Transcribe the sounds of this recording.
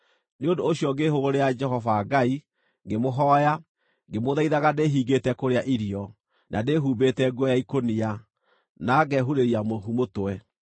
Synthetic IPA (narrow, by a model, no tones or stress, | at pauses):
neondoːɕjɔŋɡeɦoɣoɾejad͡ʒɛɦɔfaːɡai | ŋɡemoɦɔja | ŋɡemoðaiðaɣadeɦiːɡetɛkoɾeaʔiɾiɔ | nʔadeɦuːbetɛɡɔjaikonia | naɡɛɦuɾeɾiamoɦumotoɛ